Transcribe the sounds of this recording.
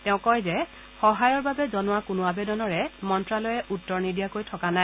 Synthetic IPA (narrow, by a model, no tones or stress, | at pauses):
tɛ̃ʊ̃kɔjzɛ | xɔɦajɔɹbabɛzɔnʊwakʊnʊabɛdɔnɔɹɛmɔntɹalɔjɛʔutːɔɹnidijakojtʰɔkanaj